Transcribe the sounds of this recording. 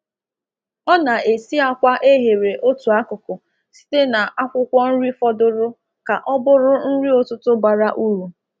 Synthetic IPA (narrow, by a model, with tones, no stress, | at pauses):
ɔ˦na˨e˨si˦a˦kʷa˦ʔe˦ɦe˨ɾe˨ʔo˦tu˨a˦kʊ˨kʊ˨ | si̥˦te˦na˨ʔa˦kʷʊ˦kʷɔ˦n̩˦ɾi˦fɔ˦dʊ˦ɾʊ˦ | ka˨ʔɔ˦bʊ˦ɾʊ˦n̩˦ɾi˦o˨tʊ˦tʊ˦ba˨ɾa˦ʔu˦ɾu˨